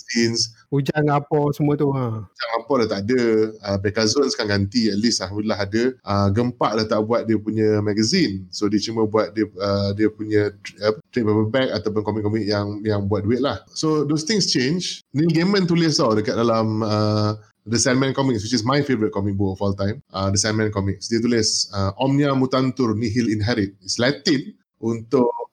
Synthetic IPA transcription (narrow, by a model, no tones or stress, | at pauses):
ins | ud͡ʒaŋapɔsəmuət̪uad͡ʒaŋapɔdat̪aʔadəəbɛkazonskaŋɡant̪iɛt̪̚lisalɦamdulilaɦadəəɡəmpaʔlaht̪aʔbuat̪̚diəpuɲə̃maɡəzinsodit͡ʃuməbuat̪̚diəədiəpuɲə̃ət̪ɾet̚papəbɛkat̪awp̬ʊnkɔmikɔmik̚jaŋjaŋbuat̪̚duɪt̪̚lahsodost̪ɪ̃ŋst͡ʃẽnd͡ʒniɡemə̃nt̪uləsadəkat̪̚dalamə | disanmɛ̃nkɔmik̚swit͡ʃismajfevəɾit̪̚kɔmik̚bʊkɔfɔlt̪ãjmʔədisanmɛ̃nkɔmik̚sdiət̪uləsəʔɔmniamut̪ant̪ʊrniɦilinɦɛɾit̪̚islɛt̪in | unt̪ʊʔ